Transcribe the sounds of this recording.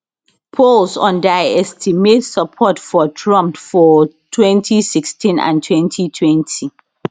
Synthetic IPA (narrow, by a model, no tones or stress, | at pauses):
pʰɔlsɔ̃ndaɪɛstʰimedsəpʰɔtfɔtʰɹɔ̃mpfɔtʰwɛ̃ntʰisikstʰĩnã̰ntʰwɛ̃ntʰitʰwɛ̃ntʰi